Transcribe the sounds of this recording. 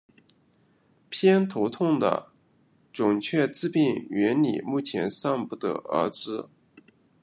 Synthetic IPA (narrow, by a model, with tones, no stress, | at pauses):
pʰjɛ˥nt̪ʰo˧˥ʊt̪ʰʊ˥˩ŋd̪ə̰˩ | ʈ͡ʂʊ˨˩ŋt͡ɕʰɥɛ˥˧t͡sɹ̩˥˧pi˥˩ŋɥɛ˧˥nlḭ˨˩mu˥˩t͡ɕʰjɛ˧˥nsɑ˥˧ŋpu˥˩d̪ə̰˥˩ə̰˞˧˥ʈ͡ʂɻ̩˥